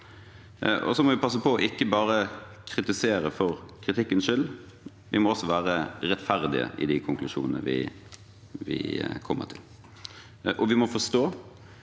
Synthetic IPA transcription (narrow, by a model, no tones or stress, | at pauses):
ʔɔ̰sɔmɔʋɪpʰɑs̬ːəpɔːʔɪkːəbɑːɾə | kʰɾɪt̪ɪseːɾəfɔɾkʰɾɪt̪ʰɪkːənʂʏl | ʋɪmɔɔsːɔʋæːɾəɾɛt̪fæʁd̪ɪ̰ə̰ʔɪ̰d̪ɪkʰʊŋklʉʂṵːnənə̰ʋɪ̰ | ʋɪ̰kʰɔmːə̰ɾt̪ʰɪl | ʔɔʋɪmɔfɔʂt̪oː